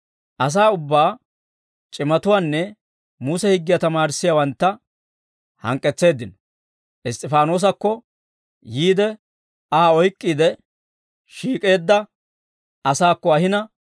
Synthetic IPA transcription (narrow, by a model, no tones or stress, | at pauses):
ʔɐs̬aːʊbːaː | t͡ʃʼɪmɐt̪ʊwaːnːɛ | musɛhɪɡːɪjɐt̪ɐmaːɾɪsːɪjawɐnt̪ːɐ | hɐ̰ŋkʼːɛt͡sːe̞ːd̪ːɪnɔ | ʔɪst̪ʼɪfaːno̞ːs̬ɐkːɔ | jiːd̪ɛ | ɐɔjkʼːiːd̪ɛ | ʃiːkʼe̞ːd̪ːɐ | ɐsaːkːɔɐhɪnɐ